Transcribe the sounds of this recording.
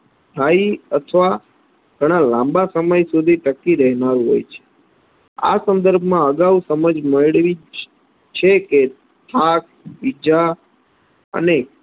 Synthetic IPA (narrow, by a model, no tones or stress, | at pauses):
t̪ʰaiət̪ʰʋa | ɡ̥ʱəɽ̃ãlãmbasəməjsud̪ʱiʈəkːiɾɛɦnaɾũɦo̰jt͡ʃʰe̥ | a̰sənd̪əɾbʱmãəɡaʋusəməd͡ʒməjɭʋi | t͡ʃʰeke | t̪ʰak̚ | id͡ʒa | ə̰ne